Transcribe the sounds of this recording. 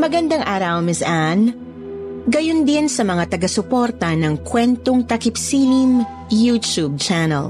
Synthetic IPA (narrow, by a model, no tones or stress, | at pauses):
mɐɡɐnd̪aŋʔaːɾɐwmɪsʔan | ɡɐjond̪ɪnsɐmɐŋat̪ɐɡɐsʊpoɾt̪ɐnɐŋkwɛnt̪oŋt̪ɐkɪpsiːnɪm | jut̪ub̚t͡ʃanɐ̰l